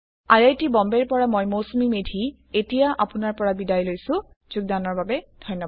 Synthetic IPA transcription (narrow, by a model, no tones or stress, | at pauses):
ajajtibɔmbɛɹpɔɹamojmosomimedʱi | etijaʔa̰pʊnaɹpɔɹabidajlojsʊ̃ | z̥uɡ̚danɔɹbabɛdʱɔjnːɔ